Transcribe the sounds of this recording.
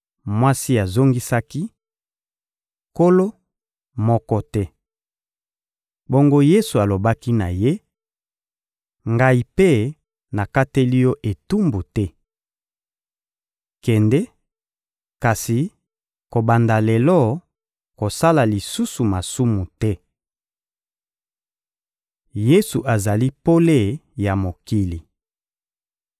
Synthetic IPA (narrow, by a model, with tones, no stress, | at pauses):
mwa˦si˦a˨zo˦ŋɡi˦sa˦ki˦ | ko˦lo˦ | mɔ˦kɔ˦tɛ˦ | bo˦ŋɡo˦je˦su˨a˨lo˨ba˦ki˦na˨je˦ | ŋɡa˦i˨pe˦ | na˨ka˦te˦li˦jɔ˦ʔe˨tu˦mbu˨tɛ˦ | kɛ˨ndɛ˦ | ka˨si˨ | ko˨ba˨nda˨lɛ˨lɔ˦ | ko˨sa˦la˨li˨su˦su˨ma˨su˦mu˨tɛ˦ | je˦su˨ʔa˨za˨li˦po˦le˦˨ja˨mo˨ki˦li˨